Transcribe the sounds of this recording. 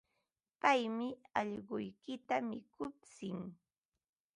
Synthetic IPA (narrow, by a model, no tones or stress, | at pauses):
pajmɪɑʎɢʊjkɪt̪amɪkʰʊpt͡sɪŋ